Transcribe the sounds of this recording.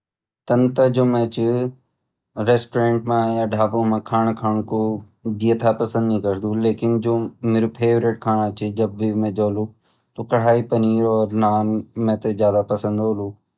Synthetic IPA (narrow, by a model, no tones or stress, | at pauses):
t̪ɐnt̪əd͡ʒoːmẽːt͡ʃɪ | ɾeːsʈoɾẽːɳʈmãjaːɖʱaːbõmãːkʰaːɳ̃kʰaːɳ̃ko | d͡ʒiət̪ʰapɐsə̃nd̪nĩːkɐɾd̪ũːleːkɪnd͡ʒoːmeːɾupʰeːʋɾeʈ̚kʰaːɽ̃at͡ʃɪd͡ʒɐbːimẽd͡ʒoːluː | t̪oːkɐɽ̤aːipɐniːɾɔːɾnaːnmẽːt̪ezjaːd̪apɐsə̃nd̪oːluː